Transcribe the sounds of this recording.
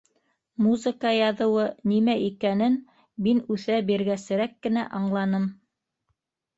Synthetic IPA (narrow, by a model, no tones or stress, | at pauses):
muzə̆kɑjɑðɤ̆wɤnimæʔikænɘn | minʉθæbiɾɡæsɘ̆ɾækːɘ̆næʔɑɴlˠɑnɤm